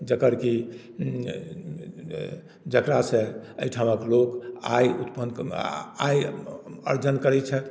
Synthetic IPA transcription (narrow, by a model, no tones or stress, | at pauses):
d͡ʒəkəɾki | d͡ʒəkɾasẽəjʈʰaməkloka̰jut̪pən | ajə̰ɾd͡ʒənkəɾɛt͡ʃʰɛt̪